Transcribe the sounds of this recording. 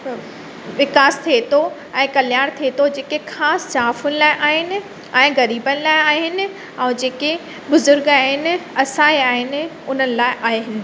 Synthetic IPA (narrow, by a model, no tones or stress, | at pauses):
ʋɪkaːst̪ʰiet̪o | ɛ̃ːkɐljaːɽ̃t̪ʰiet̪ʰod͡ʑeːkekʰaːsːaːfʊnɪ̆laːɪʔaːɦɪnɪ̆ | ɛ̃ːɣɐɾiːbənɪ̆laːɪaːɦɪnɪ̆ | ɛ̃ːd͡ʑeːke | bʊzʊɾɡaːɦɪnɪ̆ɐsãːiaːɦɪnɪ̆ | ʊn̤ənɪ̆laːɪʔaːɦeɦɪnɪ̆